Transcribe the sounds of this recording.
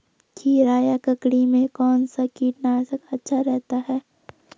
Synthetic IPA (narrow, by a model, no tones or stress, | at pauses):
kiɾaːjakɐkɽimẽkɔːnsakiːʈnaːsɐkɐtːʃʰaɾɛɦt̪aɦɛː